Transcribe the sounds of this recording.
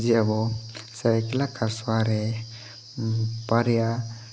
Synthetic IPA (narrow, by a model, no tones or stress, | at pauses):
ziabɔsaɾakilakʰaɾswaɾɛ | paɾija